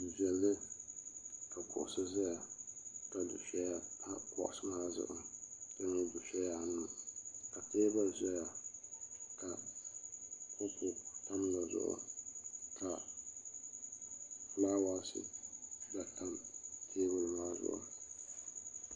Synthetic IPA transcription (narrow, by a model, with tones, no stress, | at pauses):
vɛ˨lːɨ˦ | ka˨kʰʊ˨ʔʊ˨sɨ˦za˦ja˨ka˨dʊ̰˨ʃɛ˦ja˦a˦kɔ̰˨ʔʊ˨sɨ˦maː˦zʊ̰˦ʔʊ̰˨da˦n˦dʊ˨ʃɛ˦ja˨nɨ˦˨ka˨teː˦ba˦lzɛ˦ja˨ | ka˨ | kɔ˦pʊ˨ta˦m˦la˨zʊ̰˦ʔʊ̰˦ | ka˨ | laː˦wa˦lsɨ̰˦da˨tʰa˦mtʰeː˦ba˦lmaː˦zʊ̰˦ʔʊ̰˦